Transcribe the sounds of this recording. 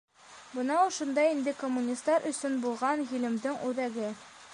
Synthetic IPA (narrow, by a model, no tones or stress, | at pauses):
bɤ̆nɑuʃɤ̆nd̪ɑind̪ɘkomːunʲist̪ːɑɾʔɵ̆sɵnbulˠʁɑnɦilɘ̆md̪ɘŋʉðæɡɘ